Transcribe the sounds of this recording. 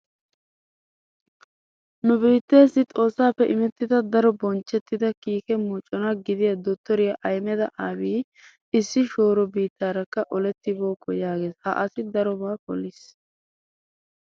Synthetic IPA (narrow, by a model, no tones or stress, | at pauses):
nʊbiːt̪ːe̞ːsːɪt̪ʼo̞ːsːaːpːɛʔɪmɛt̪ːɪd̪ɐd̪ɐɾɔbɔnt͡ʃːɛt̪ːɪd̪ɐkiːkɛmuːt͡ʃʼːɔnɐɡɪd̪ɪjɐd̪ɔt̪ːɔɾɪjɐʔɐjmɛd̪ɐʔaːbiː | ɪsːɪʃo̞ːɾɔbiːt̪ːaːɾɐkːɐʔɔlɛt̪ːɪbo̞ːkʰːɔjaːɡe̞ːshɐ̰ʔɐsɪd̪ɐɾɔbaːkɔ̰lːɪs